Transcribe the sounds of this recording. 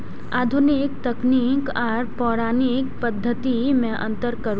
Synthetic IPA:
aːd̪ʱʊnɪkt̪ɐknikɔːɾpɔːɾaːnɪk̚pəd̪ʱːət̪imẽʔə̰̃nt̪əɾkəɾ

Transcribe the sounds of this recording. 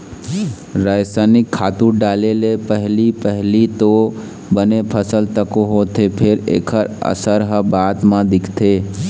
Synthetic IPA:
ɾajsanɪkʰːaːt̪uɖaːlelepəɦlipəɦlit̪o | bənepʰəsəlt̪əkoɦot̪ʰepʰɪɾḛːkʰəɾə̰səɾɦəbaːt̪mãd̪ɪkʰt̪ʰeː

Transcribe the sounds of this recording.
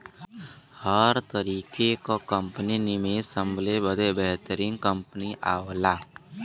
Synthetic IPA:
həɾt̪əɾiːkekokə̃mpninimesə̃mbʱlebəd̪ebɛɦt̪əɾɪ̃nkə̃mpəniʔaːʋlaː

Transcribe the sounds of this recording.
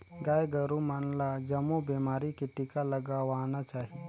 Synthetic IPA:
ɡaːjɡɐɾumanlad͡ʒɐmubeːmaːɾikiʈɪkalɐɡaʋaːnat͡ʃaːɦi

